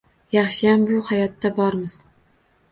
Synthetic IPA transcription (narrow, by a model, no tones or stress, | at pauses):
jɑχʃɪjambʊhajɒt̪ːabɒɾmɪz̥